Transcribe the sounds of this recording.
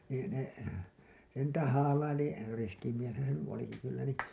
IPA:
niː ne se niːtæ hɑːlɑili riski mieshæn se ny oliki kylːæ ni

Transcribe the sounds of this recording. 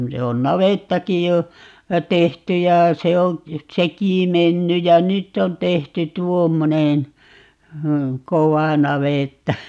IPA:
se on nɑʋetːɑkij jo tehty jɑ se õː sekiˑ menːy jɑ nytː on tehty tuomːonen koʋɑˑ nɑʋeˑtːɑ

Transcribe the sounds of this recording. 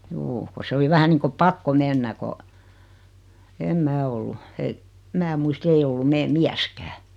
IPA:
juː ko se oli ʋæhæ niːŋko pɑkːo menːæ ko em mæː olːu e mæː muist ei olːum meː miæskæː

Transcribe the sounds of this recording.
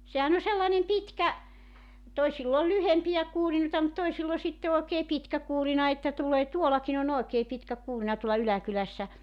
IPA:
sehæn o selːɑnem pitkæ toisilː o lyhempijæ kuːrinoĕtɑ mut toisilː o sitːe oekeː pitkæ kuːrinɑ etːæ tuleː tuolɑkin on oekeː pitkæ kuːrĭnɑ tuolːɑ ylækylæsːæ

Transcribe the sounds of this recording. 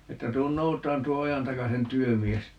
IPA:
etːæ tuːn noutɑːn tuo ojɑntɑkɑsen tyømies

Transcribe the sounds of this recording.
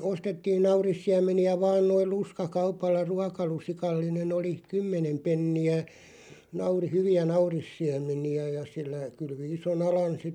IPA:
ostetːiːn nɑurisːiæmˑeniæ ʋɑːn noil̆ luskɑkɑupɑlːɑ ruɑkɑlusikɑlːinen oli kymːenem penːiæ nɑuri hyʋiæ nɑurisːiæmˑeniæ jɑ silːæ kylʋi ison ɑlɑn sitːe

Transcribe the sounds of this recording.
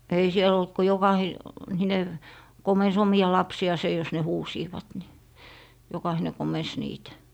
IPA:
ei siel olt ko jokɑhi hine komens omiɑ lɑpsiɑˑse jos ne huːsiːʋɑt ni jokɑhine komens niːtæ

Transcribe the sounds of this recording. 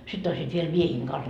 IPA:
sitː oisiːt ʋiel miehiːŋ kɑns

